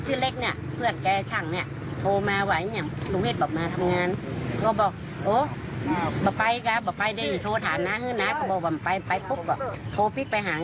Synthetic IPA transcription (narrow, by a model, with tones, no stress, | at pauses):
sɯ˧˨le˧˥˩k̚ni˧˩˨pʰɯ˧˩ənkɛː˧t͡ɕʰa˧˩˨ŋni˧˩ə | t̪ʰoː˧maː˧wa˧˩jɲa˧˩˨mluː˧˦he˧t̪̚bɔː˨˩p̚maː˧t̪ʰa˧mŋaː˧˨nkɔː˧˩bɔː˨˩k̚ | ʔoː˧˦ | bɔː˧˦pa˧jka˧˦bɔː˧˩pa˧jde˧˨i˧˦t̪ʰoː˧t̪ʰaː˨˦nnaː˧˥hɯː˧˥˨na˧˥kɔ˧˩bɔː˧˩waː˧m˨pa˧jpa˧jkʰo˦˧˥p̚kɔː˧˩t̪ʰoː˧pi˧˥k̚pa˧jɦaː˨˦